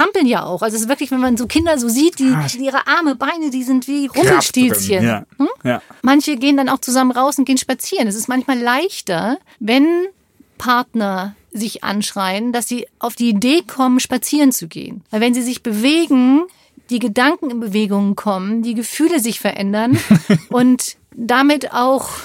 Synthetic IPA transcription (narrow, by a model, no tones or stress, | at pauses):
ampl̩nja̰ːʔa̰ʊxʔalzossvɪɐklɪçvɛnmanzoːkʰɪndɐzoːziːt̚d̥iːʔiːʁəʔaɐməbaɪnədiːzɪntv̥iːʁʊmpl̩ʃtiːlsçənnəmançəɡeːəndana̰ʊxt͡suzamənʁaʊsʊntɡ̥eːənʃpat͡siːʁənɛsɪstmançmaːlaɪçtɐ | vɛn | pʰaɐtnɐ | zɪçʔa̰nʃʁ̥aɪn̩dasz̥iːʔaʊfd̥iːdeːkʰɔmənʃpat͡siːʁənt͡suɡḛːənvaɪlvɛnziːzɪçb̥əveːɡŋ̩ | d̥iːɡədaŋkŋ̩ɪnbəveːɡʊŋkʰɔməndiːɡəfyːləzɪçfɛɐʔɛndɐnʔʊnt | d̥amɪta̰ʊx